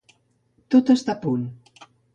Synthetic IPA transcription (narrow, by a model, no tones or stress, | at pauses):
t̪ot̪əst̪apun